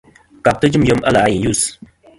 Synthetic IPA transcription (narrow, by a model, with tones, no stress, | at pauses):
ka˨p̚t̪ə˦d͡ʒu˦mjə˦˧mʔɐ̰˦la˨a˦je˨ju˦˨s